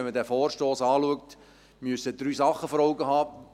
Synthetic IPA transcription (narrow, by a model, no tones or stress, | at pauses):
ɛnmədæːfɔːrʃtoːsɑːluəkt | myəsəd̥̪ɾyːsɑχːəfɔɾɔʊɡəhɑː